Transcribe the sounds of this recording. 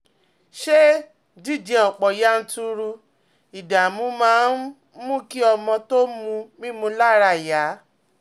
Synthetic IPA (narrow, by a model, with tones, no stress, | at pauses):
ʃe˦ | d͡ʒi˦˨d͡ʒɛ˧ɔ˨k͡pɔ˨ja˨˦n̩˦tu˧ɾu˧ | i˨da˨mũ˨˦mãː˨˦n | mũ˦˨ki˦ɔ˧mɔ̃˧to˦mũ˧mĩ˦mũ˧˦la˦ɾa˧˨ja˨˦